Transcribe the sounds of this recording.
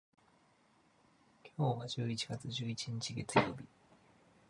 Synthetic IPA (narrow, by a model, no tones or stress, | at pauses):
kʲʰo̞ːβad͡ʑɨːit͡ɕiɡat͡sɨʑɨːit͡ɕiɲ̟it͡ɕiɡe̞t͡sɨjo̞̰ːbʲi